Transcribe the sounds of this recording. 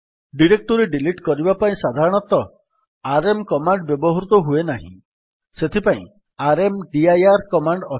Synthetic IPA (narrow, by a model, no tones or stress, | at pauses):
ɖiɾek̚ʈɔɾeɖiliʈkɔɾibapaĩsad̪ʱaɾɔɽ̃ɔt̪ɔ | aɾemkɔmaɳɖbjɔbɔɦɔɾut̪ɔɦuenaɦḭ̃ | set̪ʰipaḭ̃ | aɾemɖiajaɾkɔmaɳɖɔ